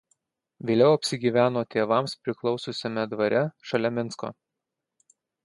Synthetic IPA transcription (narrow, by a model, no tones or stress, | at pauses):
ʋʲeːlʲɛʊɐpʲsʲɪɡʲiːʋʲæːnoːt̪ʲeːʋɐmspʲɾʲɪklˠɒʊsʊsʲɛmʲɛd̪ʋɐɾʲɛʃɐlʲɛmʲɪnsko̰ː